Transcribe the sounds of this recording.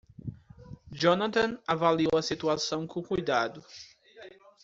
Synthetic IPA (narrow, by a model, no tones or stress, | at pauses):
d͡ʒonat̪ɐ̃navaliowɐsit̪uasɐ̃w̃kõkujd̪ad̪ʊ